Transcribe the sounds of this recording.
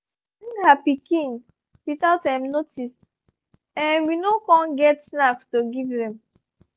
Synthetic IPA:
nhapikĩŋ | wiθaʊtdɛ̃mnotʰis | ɛ̃nwinokɔ̃nɡɛtsnakstoɡivðɛ̃m

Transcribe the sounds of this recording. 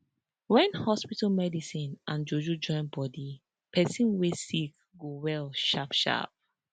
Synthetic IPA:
wɛ̃nhɔspitalmɛdisĩnʔãnd͡ʒod͡ʒud͡ʒɔ̃ɪ̃nbɔdi | pʰɛsĩnwesik̚ | ɡowɛlʃapʃa̰p̚

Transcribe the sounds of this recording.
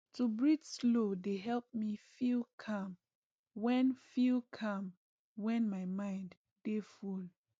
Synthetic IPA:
tubɹidslodeɦɛlp̚mifilkʰãm | wɛ̃nfilkʰãm | wɛ̃nmajmãɪ̃ndː | eful

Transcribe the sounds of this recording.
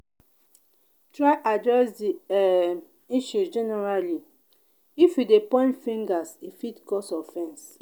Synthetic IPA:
tɹajʔadɹɛsdiɛ | iʃusd͡ʒɛnɛɹali | ifjidepɔ̃ɪ̃ntfĩŋɡasifitkɔsɔfɛ̃ns

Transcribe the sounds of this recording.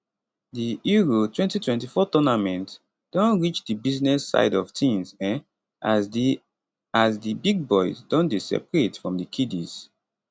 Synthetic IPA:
diiɹotwɛ̃ntitwɛ̃ntifɔtɔnamɛ̃nt | d̥ɔ̃nɹit͡ʃdibiznɛsa̰ɪdɔv̥tʰĩnz | azdibiɡ̚bɔɪzdɔ̃ndesɛ̰pɹetfɹɔ̃mdikʰidiz̥

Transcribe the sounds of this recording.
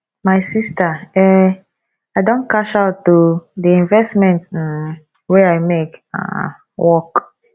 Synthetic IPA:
maɪsistaɛ | aɪdõnkaʃaʊtːodiĩnvɛstmɛ̃nt̩ | weaɪmeka̰ | wʔɔk

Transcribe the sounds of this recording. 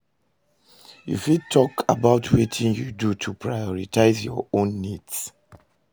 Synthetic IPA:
jṵfid̚tʰɔkabaʊtʰwɛtʰĩŋjudutʰupʰɹajɔɹitaɪzjɔõnːids

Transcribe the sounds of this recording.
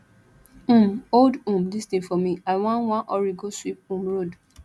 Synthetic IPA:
ũmoldũmdisdefɔmĩaɪwãnwãnʔɔɹiɡoswip̚ũmɹod

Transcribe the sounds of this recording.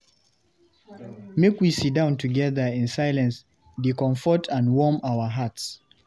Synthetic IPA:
mekwisit̚dãʊ̃ntʰuɡɛðə˞ɪ̃nsaɪlə̃ns | dikɔ̃ɱfɔtʰə̃nwɔmaʊə˞ɦats

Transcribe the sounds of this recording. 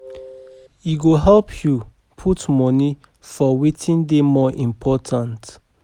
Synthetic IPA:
iɡoɦɛlpʰju | pʰutmɔni | fɔwitʰĩndemɔʔĩmpʰɔtʰãnt

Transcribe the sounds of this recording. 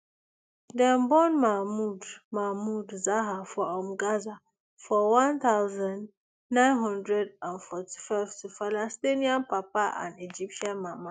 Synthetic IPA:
dɛ̃nbɔnmamudmamudzaɦafɔɔmɡaza | fɔwãnt̪aʊzãn | nãɪ̃nɦɔ̃ndɹɛdãnfɔti̥faɪvtʰufalastiniãnpapaʔã̰nid͡ʒip̚ʃãnmama

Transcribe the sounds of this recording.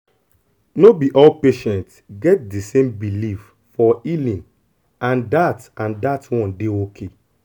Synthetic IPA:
nobiʔɔlpeʃɛ̃ntsɡɛt̚disẽmbilif | fɔilĩn | ãndatãndatwɔ̃ndeokʰe

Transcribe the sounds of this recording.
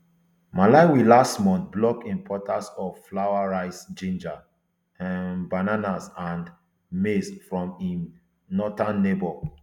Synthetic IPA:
malaɪwilastmɔ̃nθblɔk̚tĩnpʰɔtʰasɔvflaʊaɹaɪsd͡ʒĩnd͡ʒa | bananasãnd | mesfɹɔ̃mĩ | nɔtãnːebɔl

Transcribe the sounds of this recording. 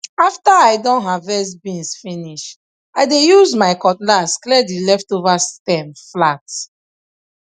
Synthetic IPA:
aftaaɪdɔ̃nɦavɛsbĩnsfĩniʃ | aɪdejuzmaɪkɔtlasklɛdilɛftovastɛ̃mflat

